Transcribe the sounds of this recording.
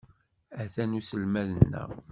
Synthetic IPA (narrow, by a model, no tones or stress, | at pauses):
æθænusəlmæðənːæ̰